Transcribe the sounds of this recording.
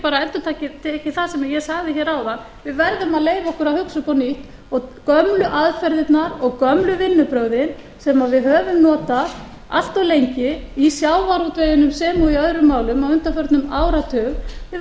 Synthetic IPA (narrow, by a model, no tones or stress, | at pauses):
paːɾaɛnt̪ʏt̪ʰaːcɪt̪ʰɛhcːɪθasɛmajɛsaɣðɪçɛːɾawða | vɪðvɛɾðʏmaðleːjvaɔhkʏɾahʏksʏpɔniht̪ | ɔkœmlʏʔaðfɛɾðɪt̪naɾɔɣkœmlʏvɪnːʏpɾœɣðɪn | sɛmavɪðhœːvʏmnɔːt̪a | a̰l̥t̪alejɲcɪisjaːwvaɾut̪vɛðɪnʏmsɛːmuiœðɾʏmːaːwlʏmawʏnt̪afœɾt̪nʏmaːwɾat̪ʰœːvvɪ